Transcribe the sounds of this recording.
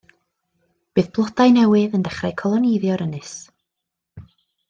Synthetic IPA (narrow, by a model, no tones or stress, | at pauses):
b̥ɨːðb̥lˠɔdajnɛwɨðəndɛχrajkʰɔlˠɔnɪjðjɔɾənɨs